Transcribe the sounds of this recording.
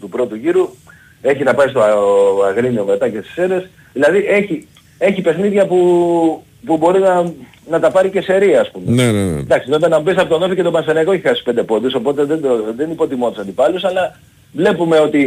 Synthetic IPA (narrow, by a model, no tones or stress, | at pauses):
t̪upɾo̞t̪uʝiɾu | e̞çinɐpɐist̪oɐɐɣɾinio̞me̞t̪ɐcest̪i̥se̞ɾes | ðilɐðiʔe̞çi | e̞çipe̞xniðʝɐpu | pubo̞ɾinɐ | nɐt̪ɐpɐɾicese̞ɾiɐːspumenen̰d̪ɐksinoipenɐmubisɐpot̪onofice̞t̪obɐnsenɐkoeçixɐsi̥pe̞nd̪e̞po̞d̪uso̞po̞t̪e̞ðend̪oðe̞nipo̞t̪imo̞nt̪isɐnd̪ipɐlusɐlɐ | vle̞pume̞o̞t̪i